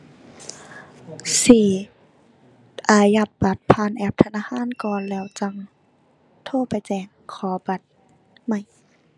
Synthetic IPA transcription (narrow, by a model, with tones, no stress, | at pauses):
siː˧˩˦ | ʔaː˧˩ja˧˩p̚ba˧˦t̪̚pʰaː˧˥˨nʔɛː˧˩p̚t̪ʰa˧naː˧˨hʰaː˧˥˨nkɔː˨nlɛː˧˩wt͡ɕa˧˩ŋ | t̪ʰoː˧˨pa˨jt͡ɕɛː˧˩ŋkʰɔː˨˦ba˧˦t̪̚ | ma˧˩˨j